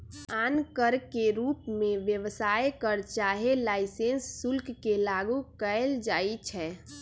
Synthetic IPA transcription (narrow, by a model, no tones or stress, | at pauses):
aːnkəɾkeɾuːpmẽʋjəʋsaːekəɾt͡ʃaːɦelaːɪsensːʊlkkelaːɡukəld͡ʒaːit͡ʃʰɛː